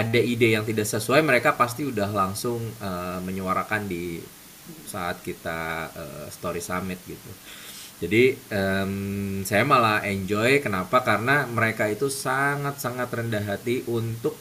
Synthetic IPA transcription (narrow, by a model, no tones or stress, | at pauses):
adaidejaŋt̪idaʔsəsuajməɾekapas̬t̪iudaɦlaŋsʊŋəməɲəwaɾakandi | sa̰a̰t̪̚kit̪a̰ə̰st̪oɾisamɪt̪̚ɡit̪ud͡ʒadiəmsajamalaeɲd͡ʒɔjkənapakarənaməɾekait̪usaŋat̪̚saŋat̪rəndaɦat̪iʔunt̪ʊk̚